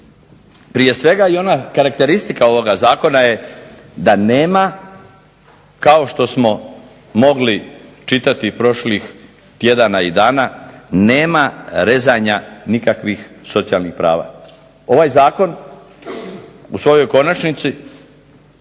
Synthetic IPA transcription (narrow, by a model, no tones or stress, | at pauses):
pɾije̞sʋe̞ɡaio̞nakaɾakt̪e̞ɾist̪ikao̞ʋo̞ɡazaːko̞naje̞ | d̪ane̞ːma | kao̞ʃt̪o̞smo̞ | mo̞ɡlit͡ʃit̪at̪ipɾo̞ʃlix | t̪je̞d̪anaid̪aːnane̞ːmaɾe̞zaɲanikakʋixso̞t̪sijalnixpɾa̰ːʋa̰ː | o̞ʋaːjzaːko̞n | usʋo̞jo̞jko̞nat͡ʃnit̪si